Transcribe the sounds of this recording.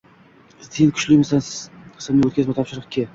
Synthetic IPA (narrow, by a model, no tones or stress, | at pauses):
zd̪enkʰʊ̥t͡ʃlɪjmɪsanqʰɨ̥smɪwot̪̚kʲazmat̪ʰɒpʃɪɾɨqkʲʰːe